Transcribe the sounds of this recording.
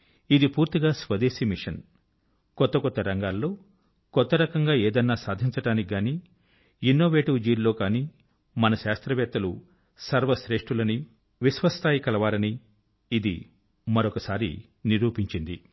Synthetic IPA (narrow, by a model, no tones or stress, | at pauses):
id̪ipuːɾt̪iɡaːsʋɐd̪eːsimiʂɐn | kɔt̪ːɐkɔt̪ːɐɾɐŋɡaːlːo̞ː | kɔt̪ːɐɾɐkɐŋɡaːeːd̪ɐnːaːsaːd̪ʱiɲt͡ʃɐʈaːnikiɡaːniː | inːoːʋeːʈuːd͡ʒiːɾlo̞ːkaːniː | mɐnɐʃaːst̪ɾɐʋɛːt̪ːɐlṵ | sɐɾʋɐʃɾe̞ːʂʈɾulɐni | ʋiʃʋɐst̪ʰaːjikɐlɐʋaːɾɐniː | d̪ḭ | mɐɾokɐsaːɾḭ | niɾuːpiɲt͡ʃind̪ḭ